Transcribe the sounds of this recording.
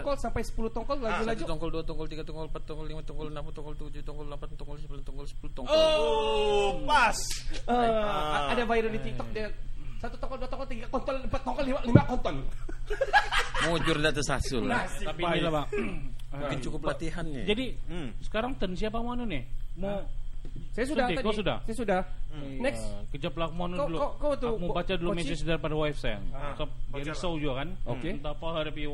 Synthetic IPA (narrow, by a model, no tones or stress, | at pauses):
kɔlsampajsə̥pulut̪ɔŋkɔllad͡ʒulad͡ʒut̪ɔŋkɔlduat̪ɔŋkɔlt̪iɡat̪ɔŋkɔlmpat̪ːɔŋkɔlimat̪ɔŋkɔlnampt̪ɔŋkɔlt̪ud͡ʒut̪ɔŋkɔllampat̪ːɔŋkɔlsəpulant̪ɔŋkɔlsə̥pulut̪ɔŋo | masəadavajɾudit̪ik̚t̪ɔk̚dasat̪ut̪ɔŋkɔlduat̪ɔŋkɔlt̪iŋɡakɔnt̪ɔnmpat̪ːɔŋkɔlimalimakɔnt̪ɔn | md͡ʒʊɾndat̪əsasʊlat̪apilaba | ɪnt͡ʃukʊplat̪iɦand͡ʒadisə̥kaɾaŋt̪ənsiap̬amuanʊnɪmo | sajasudat̪ikosuda̰hsajasudanɛkskəd͡ʒaplak̚muanulkat̪umubat͡ʃadulumesisədarpadawajfsaja̰t̪ɔp̚ɡaɾisawd͡ʒuɡakanokent̪apaɦaɾbi